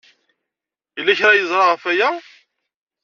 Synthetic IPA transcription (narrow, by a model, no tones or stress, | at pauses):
jəlːæçɾajəzˤɾˤɑʁəfæjæ